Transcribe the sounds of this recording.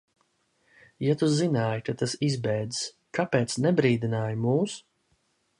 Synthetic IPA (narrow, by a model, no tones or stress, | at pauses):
jat̪uzinaːjkat̪asizbɛjd̪is | kapɛːt̪snɛbɾiːd̪inaːjmuːs